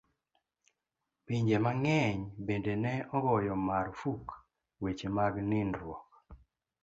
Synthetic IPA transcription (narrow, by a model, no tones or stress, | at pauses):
piɲd͡ʒemaŋɛɲbendenɛɔɡɔjɔmaɾfuk | wet͡ʃemaɡninɾwɔk